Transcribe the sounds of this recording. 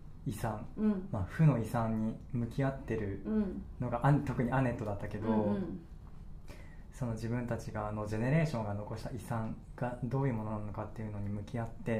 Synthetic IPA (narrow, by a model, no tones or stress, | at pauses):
isãŋmaɸɯ̟no̞isãɲ̟ːimɯ̟kʲiat̪ːe̞ɾɯ̟no̞ɡaʔat̪o̞kɯ̟ɲ̟iane̞t̪ːo̞d̪at̪ːake̞d̪o̞ | so̞no̞d͡ʑibɯ̟̃nt̪at͡ɕiɡaːno̞d͡ʑe̞ne̞ɾe̞ːɕõ̞ŋɡano̞ko̞ɕi̥t̪aʔisãŋɡ̥ad̪o̞ːjɯ̟ːmo̞no̞nanno̞kat̪ːe̞iɯ̟no̞ɲ̟imɯ̟kʲiat̪ːe̞